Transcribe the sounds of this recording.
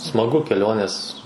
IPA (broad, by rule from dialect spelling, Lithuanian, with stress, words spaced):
smɐˈɡʊ kʲɛˈlʲoːnʲeːs